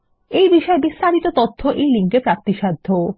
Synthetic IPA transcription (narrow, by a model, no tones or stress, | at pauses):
ejbiʃɔebist̪aɾit̪ot̪ot̪ʰːoʔejliŋkepɾap̚t̪iʃad̪ʱːo